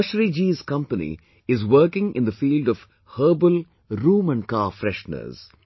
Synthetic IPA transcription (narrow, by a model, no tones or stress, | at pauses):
ʃɾid͡ʒiːzkʌ̃mpənḭ | ɪzʋəɾkɪ̃ŋʔɪ̰̃nd̪əfiːlɖɔʋ | həːbəl | ɾũːmə̃nɖkaːfɾɛʃnə̰z̥